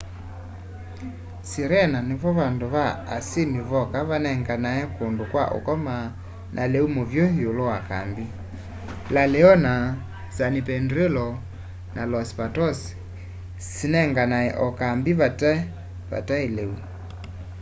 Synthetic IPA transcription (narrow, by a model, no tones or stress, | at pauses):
siɾɛnaneβɔβandoβaːsimiβɔkaβanɛŋɡanaɛkondokwaʔo̰kɔma | nʔaleumovjoiolowaka̰mbi | laleɔna | sanipɛndɾelɔ | nʔalɔspatɔs | sinɛŋɡanaɛ̰ʔɔkambiβatɛ | βa̰taeleu